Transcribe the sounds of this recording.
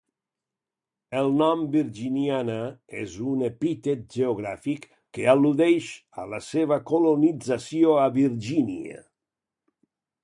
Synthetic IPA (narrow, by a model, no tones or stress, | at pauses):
elnɔmbiɾd͡ʒinjanaɛzunepit̪et̪̚d͡ʒeoɣɾa̰fikː | ealuðɛʃ | a̰lasevakolonidzasjoabird͡ʒinja̰